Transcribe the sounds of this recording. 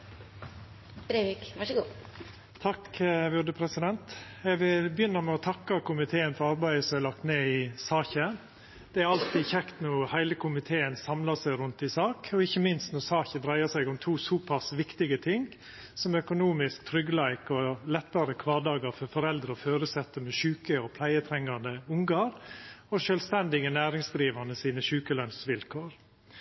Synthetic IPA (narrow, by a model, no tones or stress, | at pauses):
b̥ɾeʋikʋɑʂɡuː | t̪ʰɑkʋʉd̪əpʰɾɛsɪd̪ɛnt̪ | ɛɡʋɪlbjʏnːəmɛɔt̪ʰɑkːɑkʊmɪt̪ʰeːənfɔɾɑɾbæɪəsɔmælɑkt̪neːɪsɑːçə | d̪̥ɛæɾɑlt̪ɪçɛkt̪nuːhæɪləkʰʊmɪt̪ʰeːənsɑmlɑsæɪɾʉnt̪ɪsɑːkɔɪçːəmɪnst̪nuːsɑːçəd̪ɾæɪəsæɪɡɔmt̪ʰuːsuːpʰɑsʋɪkt̪ɪɡət̪ʰɪŋ | sɔmœkʊnuːmɪskt̪ʰɾʏɡəlæɪkɔlɛt̪ːɑɾəkʰʋɑːd̪ɑːɡɑɾfɔɾfɔɾɛld̪ɾəɔføːɾʉsɛt̪ːəmɛʃʉːkəɔpʰlæɪət̪ʰɾɛŋːɑnd̪əʊŋɡɑɾɔʃœlst̪ɛnd̪ɪɡənæːɾɪŋsd̪ɾiːʋɑnəsiːnəʃʉːkəlœnsʋɪlkʰoːɾ